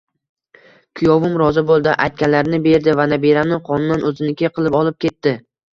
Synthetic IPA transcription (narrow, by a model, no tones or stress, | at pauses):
kʰʊjɒvɪmɾɒzɪbolˠd̪ɪʔajt̪̚kʲanlaɾnɪbe̞ɾd̪ɪvanabeɾanɪqʰɒnʊnːanʔɵzɪnɪkʲeqʰɨlˠɪpɒlˠɪp̚kʲʰe̞t̪ːɪ